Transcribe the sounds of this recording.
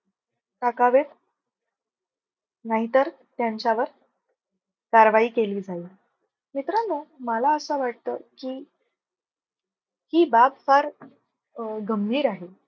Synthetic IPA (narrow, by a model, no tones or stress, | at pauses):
ʈakaʋet̪ | naɦit̪əɾ | t̪jaɲt͡ɕaʋəɾ | kaɾʋaiːkeliːd͡zaiː | mit̪ɾənəməlaəsəʋaʈ̚t̪əkiː | hiːbabfaɾ | ɡəmbʱiːɾaɦe